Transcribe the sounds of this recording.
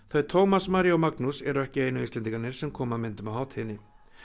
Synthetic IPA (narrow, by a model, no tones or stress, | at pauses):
θœɥjt̪ʰowmasmaɾijowmaknusɛɾʏɛhcɪeːjnʏist̪lɛnt̪iŋkaɾnɪɾ̥sɛmkʰɔːmamɪnt̪ʏmawhaːwt̪hɪnːɪ